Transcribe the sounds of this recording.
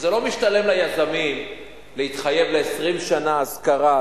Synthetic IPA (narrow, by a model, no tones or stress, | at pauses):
zelo̞miʃt̪ale̞mlajazamim | leit̪χaje̞vleːsʁimʃanaaskaʁa